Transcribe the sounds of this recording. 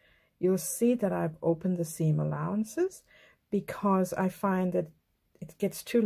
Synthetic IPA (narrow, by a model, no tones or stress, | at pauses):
jɨlˠsiðɨɾaɪvoʊpɨ̃n̩ðɨsĩmə̰laʊə̃nsɪz̥ | b̥ɨkʰʌza̰ɪfãɪ̃nðɨɾ | ɨt̚ɡ̥ɛtstʰʉ